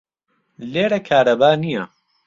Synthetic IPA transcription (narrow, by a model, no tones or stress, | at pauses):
leːɾɐkʰaːɾɐbaːnijɐ